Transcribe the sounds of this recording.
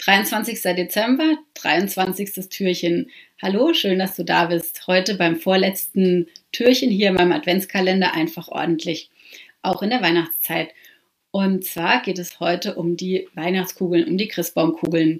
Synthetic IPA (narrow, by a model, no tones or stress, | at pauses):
d̥ʁaɪʊnt͡sv̥ant͡sɪçstɐdet͡sɛmbɐd̥ʁa̰ɪʊnt͡sv̥ant͡sɪçstəstʰyːɐçənhaloːʃøːndasd̥uːdaːbɪsthɔʏtəbaɪmfoːɐlɛt͡stn̩tʰyːɐçənɦiːɐɪmaɪnəmʔa̰tv̥ɛnt͡skʰalɛndɐʔa̰ɪnfaχʔɔ̰ɐdn̩tʰlɪç | ʔaʊxɪndeːɐvaɪnaχt͡st͡saɪt | ʔʊntt͡sv̥aːɐɡeːtɛshɔʏtəʔʊmdiːvaɪnaχt͡skʰuːɡl̩nʊnmd̥iːɡʁ̥ɪsb̥aʊmkʰuːɡl̩n